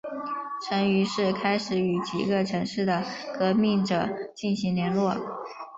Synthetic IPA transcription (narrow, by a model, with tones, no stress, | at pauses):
ʈ͡ʂʰə˧˥ŋy˧˥ʂɻ̩˥˩kʰa˥ɪʂɻ̩˨˩y˨˩t͡ɕʰḭ˧˥ɡə˧ʈ͡ʂʰɤ˧˥ŋʂɻ̩˥˩d̪ə˩kɤ˧˥mi˥˩ŋʈ͡ʂɤ˨˩t͡ɕi˥˩nɕi˧˥ŋljɛ˧˥nlwɔ˥˩